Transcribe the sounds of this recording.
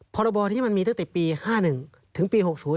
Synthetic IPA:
pʰɔː˧ɾɔ˧bɔː˧t̪ʰiː˥˩˨ma˧nmiː˧t̪a˥˩ŋt̪ɛ˨˩piː˧haː˥˩nɯ˨˩ŋ | t̪ʰɯ˩˦ŋpiː˧ho˨˩k̚suː˩˦

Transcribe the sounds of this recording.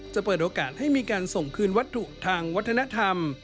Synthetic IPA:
t͡ɕa˨˩pɤː˨˩t̪ʔoː˧kaː˨˩t̪̚ha˥˩jmiː˧kaː˧nso˨˩ŋkʰɯː˧nwa˦˥t̪ʰːu˨˩ʔt̪ʰaː˧ŋwa˦˥t̪ʰːa˧na˦˥t̪ʰa˧m

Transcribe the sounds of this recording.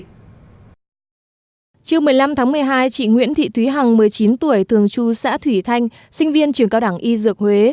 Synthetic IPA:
t͡ɕɨ˧əwmɨ˨˩əjla˧mt̪ʰaː˨˦ŋmɨ˨˩əjɦaː˧jt͡ɕḭ˧˨ŋwḭ˧˥ənt̪ʰḭ˧˨t̪ʰwi˨˦ɦa˨˩ŋmɨ˨˩əjt͡ɕi˨˦nt̪u˧˩əjt̪ʰɨ˨˩əŋt͡ɕu˧sa̰ː˧˥t̪ʰwi˧˩t̪ʰa˧jŋ̟ | sï˧ŋ̟vi˧ənt͡ɕɨ˧˩əŋkaː˧wɗa˧˩ŋʔi˧zɨ˨˩ək̚hwe˨˦

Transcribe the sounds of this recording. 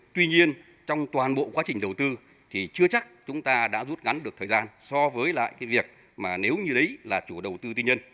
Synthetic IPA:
t̪wi˧ɲi˧ən | t͡ɕɔ˧wŋ͡mt̪waː˨˩nɓo̰˧˨kwaː˨˦t͡ɕï˨˩ŋ̟ɗə˨˩wt̪ɨ˧ | t̪ʰi˨˩t͡ɕɨ˧ət͡ɕa˦˥k̚t͡ɕʊ˨˦ŋ͡mt̪aː˧ɗa̰ː˧˥zu˦˥t̚ŋa˨˦nɗɨ˨˩ək̚t̪ʰːzaː˧nsɔ˧vəː˨˦jla̰ː˧˨jkaː˨˦jvi˨˩ək̚ | maː˨˩ne˨˦wɲɨ˧ɗə˨˦jlaː˨˩t͡ɕu˧˩ɗə˨˩wt̪ɨ˧t̪̬i˧ɲə˧n

